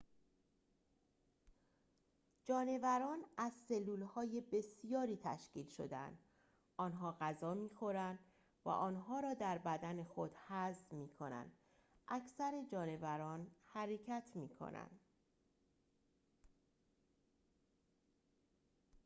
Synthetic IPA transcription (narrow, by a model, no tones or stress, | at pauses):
d͡ʒɒːne̞væɾɒːnæzse̞lːuːlhɒːje̞be̞sijɒːɾiːt̪ʰæ̰ʃciːlʃo̞̰d̪eæ̰nd̪̥ | ɒːnɦɒːɣæzɒːmiːxo̞ɾænd̪̥ | væ̰ʔɒːnɦɒːɾɒːd̪æɾbæd̪æne̞xo̞d̪̥hæzmiːkʰo̞̰næ̰nd̪̥ | ʔæcʰsæɾe̞d͡ʒɒːne̞væɾɒːnhæɾe̞cʰæt̪ʰmiːkʰo̰næ̰nd̪̥